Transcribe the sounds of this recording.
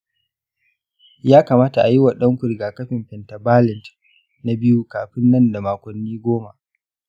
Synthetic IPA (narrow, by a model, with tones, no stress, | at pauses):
jaː˦kaː˨maː˦ta˨ʔa˨ji˦wa˨ɗɐ˦ŋkʷʊ˨ɾɡaː˨kɐ˦ɸɪ˨mɸɛ˨nta˨baː˦lɪ˨nt | na˨bɪ˦ju˦kaː˨ɸɪ˦nːɐ˦nda˨maː˨kʷɐ˨nːiː˦ɡʷoː˦ma˨ʔ